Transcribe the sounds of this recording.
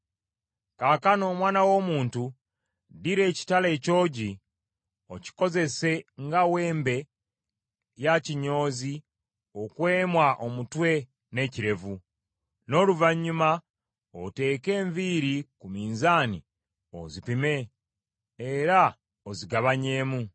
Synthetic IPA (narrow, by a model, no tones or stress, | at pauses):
kaːkano̞ːmwaːnawo̞ːmuːntu | diɾe̞ːci̥tale̞ːco̞ːɟi | o̞ci̥ko̞ze̞se̞ŋɡawe̞ːmbe̞ | jaciɲo̞ːzi | okwe̞ːmwaʔo̞mutwe̞ | ne̞ciɾe̞vu | no̞luvaɲːuma | ote̞ːke̞ːɱviɾikumiːnzaːni | o̰zipime̞ | eɾa | oziɡaβaɲe̞ːmu